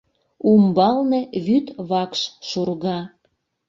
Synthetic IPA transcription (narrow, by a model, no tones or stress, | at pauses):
umbɑlneβyt̪βɑkʃʃurɣɑ